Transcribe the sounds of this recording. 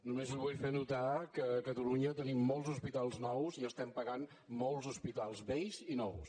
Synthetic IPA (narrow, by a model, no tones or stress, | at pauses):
numezilβujfenut̪akəkət̪əluɲət̪ənimːɔlˠzuspit̪alˠznɔwziəst̪ɛmpəɣan | mɔlˠzuspit̪alˠzβɛjzinɔws